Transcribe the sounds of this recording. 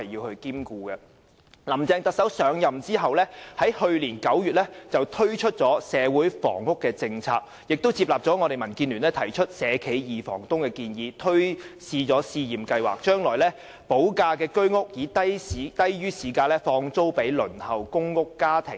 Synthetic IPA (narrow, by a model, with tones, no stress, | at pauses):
ɐ˨jjiː˧whɵ˧ɥkiː˥mkuː˧kɛ˧ | lɐ˨˩mt͡sɛː˧ŋt̪ɐ˨k̚sɐ˨˥wsœː˨˧ŋjɐ˨mt͡siː˥ɦɐ˨wlɛː˥hɐ˨˥jhɵ˧ɥliː˨˩nkɐ˨˥wjyː˨t̚lɛ˥t͡sɐ˨wt̪ʰɵ˥ɥt͡ʃʰɵ˥t̚t͡sɔː˨˥sɛː˨˧wuː˨˥jfɔ̰ː˨˩ŋhʊ˥kːɛː˧t͡sɪ˧ŋt͡sʰa̰ː˧k̚ | jɪ˨k̚t̪o˥wt͡siː˧p̚laː˨p̚t͡sɔː˨˥ŋɔː˨˧ɾe˨jmɐ˨˩nkiː˧nlyː˨˩nɛː˥t̪ʰɐ˨˩jt͡ʃʰɵ˥t̚sɛː˨˧kʰe˨˥jjiː˨fɔ̰ː˨˩ŋt̪ʊ˥ŋkɛː˧kiː˧njiː˨˧t̪ʰɵ˥ɥsiː˧t͡sɔː˨˥siː˧jiː˨mkɐ˧jwa̰ː˨k̚t͡ʃœː˥ŋlɔː˨˩jlɛː˥ | po˨˥wkaː˧kɛː˧kɵ˥ɥŋʊ˥k̚jiː˨˧t̪ɐ˥ji˨t̪ɐ˥jjyː˥siː˨˧kaː˧lɛː˥fɔː˧ŋt͡so˥wpe˨˥jlɵ̰˨˩nhɐ˨wkʊ˥ŋːʊ˥kːaː˥t̪ʰɪ̰˨˩ŋ